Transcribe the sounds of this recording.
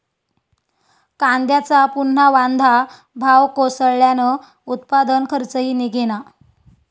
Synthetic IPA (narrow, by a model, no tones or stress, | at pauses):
kand̪jat͡sapunːaʋand̪ʱa | bʱawkosəɭɭjanə | ut̪pad̪ənkʰəɾt͡səɦiːniɡʱena